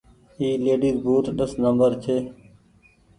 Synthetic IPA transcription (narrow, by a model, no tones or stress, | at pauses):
iːleːɖiːzbʱuːʈɗəsnəmbəɾt͡ʃʰeː